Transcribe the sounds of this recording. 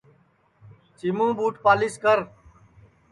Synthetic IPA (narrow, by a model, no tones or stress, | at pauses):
simũːɓuːʈpaːlɪskəɾ